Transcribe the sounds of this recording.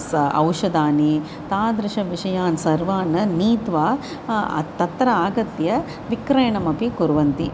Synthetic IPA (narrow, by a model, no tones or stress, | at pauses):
sɐ̰wʃɐd̪aːni | t̪aːd̪ɾɐʃɐʋiʂɐjaːnsɐɾʋaːnɐniːt̪ʋa̰ː | t̪ɐt̪ɾɐaːɡɐt̪jɐ | ʋikɾɐjɳɐmɐpikuɾʋɐnt̪ḭ